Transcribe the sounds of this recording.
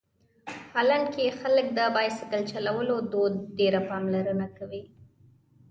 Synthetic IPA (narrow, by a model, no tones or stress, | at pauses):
halaɳɖkexalək̚d̪əbɑjsɪkəlt͡ʃalawəlod̪od̪ɖeɾapɑmlaɾənakawi